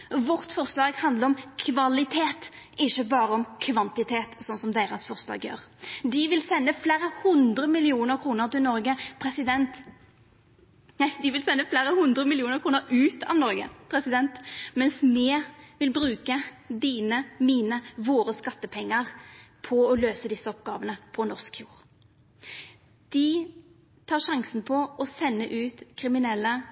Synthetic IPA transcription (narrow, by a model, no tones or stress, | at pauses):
ʋɔʁt̪fɔʁslɑːɡhɑnd̪ləɔmkʰʋɑlɪt̪ʰeːt̪ | ʔɪçːəbɑːɾəɔmkʰʋɑnt̪ɪt̪ʰeːt̪sɔnsɔmd̪eːɾɑsfɔʁslɑ̰ːɡjø̰ːʁd̪ɪʋɪlsɛnːəfleːɾəhʊnd̪ɾəmɪlɪuːnəɾkʰɾuːnəɾt̪ɪlnɔɾɡəpʰɾɛsɪd̪ɛnt̪ | d̪ɪʋɪlsɛnːəflæɾəhʊnd̪ɾəmɪlɪuːnəɾkʰɾuːnəɾʉːt̪ɑ̰ʋnɔɾɡə̰pʰɾɛsɪd̪ɛnt̪mɛnsmɛːʋɪlbɾʉːkə | d̪iːnəmiːnəʋoːɾəskɑt̪ːəpʰɛŋːəʁpʰɔɔløːsəd̪ɪsːəɔpɡɑ̰ːʋənəpʰɔnɔskfjuːɾ | d̪̥ɪ | t̪ʰɑːʁʂɑŋsnpʰɔʔɔsɛnːəʔʉːt̪kʰʁɪmɪnɛlːə